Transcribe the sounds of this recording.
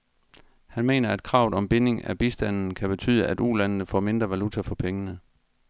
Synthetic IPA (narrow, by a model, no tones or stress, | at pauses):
hænme̝̰ːnɐæd̥̚kʰʁɑ̈ʊ̰ð̩ˠɒ̽mb̥e̝ne̝ŋæb̥isd̥æn̰n̩kʰæb̥e̝t͡sʰy̰ːðˠəʔæd̥ulænənəfɒ̰ːme̝nd̥ʁɐʋælut͡sʰæfɒ̽pʰeŋənə